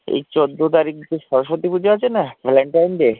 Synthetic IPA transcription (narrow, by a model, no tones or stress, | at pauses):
ḛjt͡ɕod̪ːot̪aɾik̚d͡ʑeʃɔɾoʃɾot̪ipud͡ʑeat͡ɕʰenabʱɛleɳʈajnɖe